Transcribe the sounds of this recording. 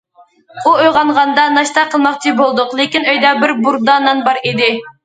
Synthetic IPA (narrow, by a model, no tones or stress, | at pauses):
uojʁɑnʁɑnd̪ɑnɑʃt̪ɑqʰəlˠmɑχt͡ʃʰibolˠd̪ʊqlˠɪkʲinøjd̪ɑbɪɾbuɾd̪ɑnɨnbɑɾid̪ɪ